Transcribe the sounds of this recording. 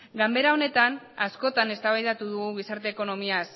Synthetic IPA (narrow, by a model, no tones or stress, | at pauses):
ɡambe̞ɾao̞ne̞t̪an | asko̞t̪ane̞st̪aβajðat̪uðuɣuɣ̞isaɾt̪e̞ːko̞no̞mias